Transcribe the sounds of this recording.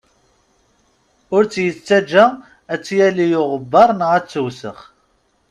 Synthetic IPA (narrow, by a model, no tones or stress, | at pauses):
ʊɾt͡sːjət͡sːæd͡ʒːæ | æt͡sːjælijʊʁəbːɑɾˤnʁæt͡sːəwsə̰χ